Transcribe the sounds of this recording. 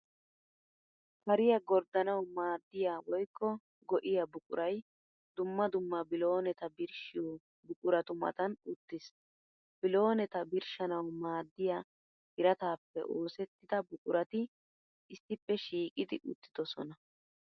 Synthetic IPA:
kɐɾɪjɐɡɔɾd̪ɐnɐwmaːd̪ːɪjawɔjkʰːɔ | ɡɔʔɪjɐbʊkʼʊ̰ɾʔɐj | d̪ʊmːɐd̪ʊmːɐbɪloːnɛt̪ɐbɪɾʃɪ | bʊkʼʊɾɐt̪ʊmɐ̰t̪ɐnʊt̪ːɪs | b̥ɪlo̞ːnɛt̪ɐbɪɾʃɐnɐwmaːd̪ːɪja | hɪɾɐt̪aːpːɛ̰ʔo̞ːsɛt̪ːɪd̪ɐbʊkʼʊɾɐt̪ɪ | ʔɪsːɪpːɛʃiːkʼɪd̪ɪʔʊt̪ːɪd̪̥ɔsɔ̰nɐ

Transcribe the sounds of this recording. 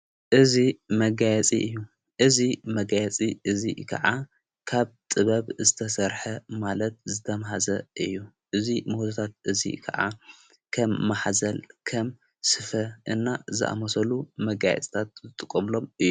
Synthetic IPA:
ʔɨzimɐɡajɛt͡sʼḭʔɨjːu | ʔɨzimɐɡajɛt͡sʼiʔɨzḭkʰɐ̰ʕa | kʰaβt̪ʼɨβɐβzɨt̪ʰɐsɐɾħɐmalɐt̪̚zɨt̪ʰɐmɦazɐʔɨjːu | ʔɨzimot̪ʰat̪ʰat̪̚ʔɨzḭkʰɐ̰ʕa̰ | kʰɐmːaħzɐlkʰɐm | sɨfɐʔɨnːazɨ̰ʔa̰mɐsɐlumɐɡajɛ̰t͡sʼi̥t̪ʰat̪̚zɨt̪ʼɨkʼːɐmlo̞mɨjːu

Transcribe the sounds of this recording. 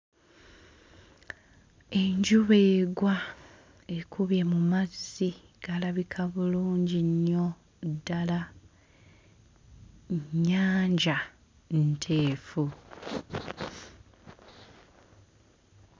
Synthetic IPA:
e̞ɲɟuβeːɡwa | e̞kʰuβje̞mumazːi | ɡ̥alaβikʰaβuluːɲɟiɲːo̞ | dːala | ɲːaːɲɟa | ntʰe̞ːfu

